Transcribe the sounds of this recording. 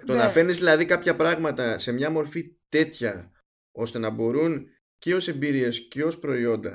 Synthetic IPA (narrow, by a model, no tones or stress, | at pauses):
t̪o̞nɐfe̞nizðilɐðikɐpçɐpɾɐɣmɐt̪ɐse̞mɲɐmo̞ɾfit̪e̞t̪çɐ | o̞st̪e̞nɐbo̞ɾun | ceo̞se̞mbiɾie̞sceo̞spɾo̞io̞nd̪ɐ̰